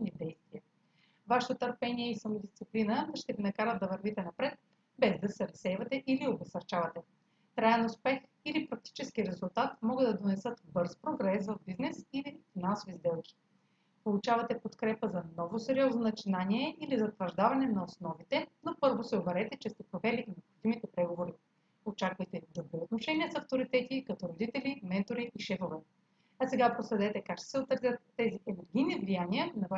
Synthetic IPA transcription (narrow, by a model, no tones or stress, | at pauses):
nid̪ɛjst̪viə | vaʃɛ̥t̪ot̪əɾpɛniɛisɐmod̪ist̪siplinəd̪ʃt̪ɛvinɐkaɾəd̪̚d̪ɐvɐɾvit̪ɛnɐpɾɛt̪̚ | bɛzd̪ɐsɛɾɐsɛjvɐt̪ɛʔiliobɛsɐɾt͡ʃavɐt̪ɛ | k̪ɾaɛnʊspɛx | ilipɾɐk̚t̪i̥t͡ʃɛsk̟iɾɛzʊlˠt̪at̪mɔɡɤd̪d̪ɐd̪onɛsɤt̪bɤɾspɾoɡɾɛsvɐvbiznɛsilifinansovizd̪ɛlˠkʲi̥ | polˠut͡ʃavɐt̪ɛpot̪kɾɛpəzɐnɔvosɛɾiɔznonɐt͡ʃinaniɛʔilizɐt̪vɐʒd̪avɐnɛnɐosnɔvit̪ɛnopɤɾvosɛobɛɾɛt̪ɛt͡ʃɛst̪ɛpɾovɛlinɛopxod̪imit̪ɛpɾɛɡovoɾi | ot͡ʃakvəjt̪ɛd̪ɾʊbɾiot̪noʃɛniəsɐft̪oɾit̪ɛt̪ikɐt̪ɔɾod̪it̪ɛlimɛnt̪oɾiʔiʃɛfovɛ | ɐsɛɡapɾoslɛd̪ɛt̪ɛkakʃt̪o̥sɛot̪ːəɾzʲət̪ːɛziʔɛnɛɾɡʲijnivlijaniənɐva